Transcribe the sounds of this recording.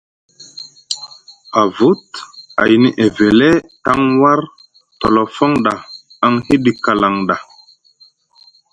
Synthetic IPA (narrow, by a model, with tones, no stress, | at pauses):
a˨vu˦t̚a̰˨jni˦ʔe˨ve˨le˦ta˦ŋwa˦ɾ | tɔ˨lɔ˨fɔ˦ŋɗa˨ | a˨ŋhi˦ɗi˨ka˨la˨ŋɗa˨